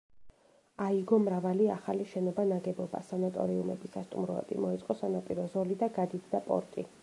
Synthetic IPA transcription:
aiɡɔmɾavaliaχaliʃɛnɔbanaɡɛbɔba̰sanat̪ʼɔ̰ɾiumɛ̰bisast̪ʼumɾɔɛ̰d̪ʼḭmɔɛt̪sʼqʼɔsanapʼiɾɔzɔlid̪aɡad̪it̪ʰd̪apʼɔ̰ɾt̪ʼḭ

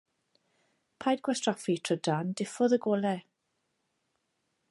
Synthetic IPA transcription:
pʰajdɡwɛstrɔfitʰrədand̥ɪfɔðəɡɔlɛ

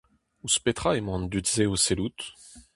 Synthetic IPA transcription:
uspet̪χaemɑ̃nd̪yt̪zeoselut̪

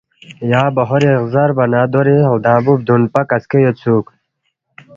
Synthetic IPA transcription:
jaːbɐɦoɾeɣzɐɾbɐnad̪oɾiɦld̪ãːbub̚d̪unpɐkɐskejot͡sʰuːk

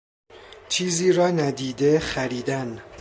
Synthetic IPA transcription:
t͡ʃʰiːziːɾɒːnæd̪iːd̪exæɾiːd̪æn

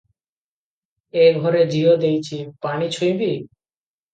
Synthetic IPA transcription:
eɡʱɔɾed͡ʑiod̪ejt͡ɕʰipanit͡ɕʰojbi

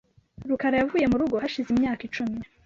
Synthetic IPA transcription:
ɾukaɾajavuːje̞muɾuɡo̞ɦaʃizimɲaːkit͡ʃumi

